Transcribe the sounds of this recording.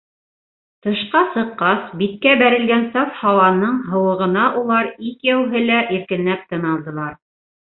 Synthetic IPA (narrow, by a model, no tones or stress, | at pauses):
t̪ɤ̆ʃqɑsɤ̆qːɑsbit̪̚kæbæɾɘ̆lɡænsɑfhɑwɑnːɤɴɦɤ̆wɤ̆ʁɤ̆nɑʔulˠɑɾikjæwɦɘlæʔiɾkɘ̆nːæp̚t̪ɤ̆nɑlˠd̪ɤ̆lˠɑɾ